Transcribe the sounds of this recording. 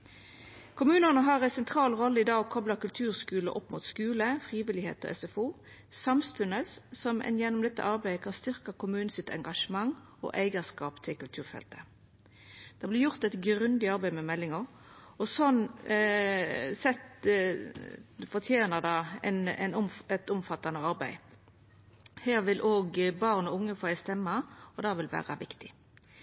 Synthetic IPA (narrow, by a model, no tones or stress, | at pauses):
kʰʊmʉːnənəɦɑʁæɪsɛnt̪ʰʁɑːlʁɔlːəɪd̪ɑːɡkʰɔbləkʉlt̪ʰʉːʁskʉːlʔɔpːmuːt̪skʉːləfʁiːʋɪlɪhḛːt̪ɔ̰ʔɛ̰sɛfuː | sɑmst̪ʉnəssɔmɛ̰njɛnːɔmd̪ɛt̪ːə̰ʔɑʁbæɪəkʰɑnst̪ʏʁkəkʊmʉːn̩sɪt̪ʰɛ̰ŋɡɑʂəmɑŋ | o̰ʔæɪɡəskɑːpt̪ʰɪlkʉlt̪ʰʉːʁfɛ̰lt̪ə̥ | d̪̥ɑblɪjʊʁt̪ɛt̪ɡɾʉnd̪ɪɑʁbæɪmɛmɛlːɪŋəʁ | ɔsɔn | sɛt̪ | fɔʁt̪ʰjeːnəd̪ɑɛ̰nɛ̰nʊmɛt̪ʊmfɑt̪ːɑnəɑʁbæɪ | heːʁʋɪlʔoːɡbɑʁnɔʊŋːəfɔːæɪst̪ɛmːəɔd̪ɑːʋɪlʋæ̰ːʁɑʋɪkt̪ɪ̥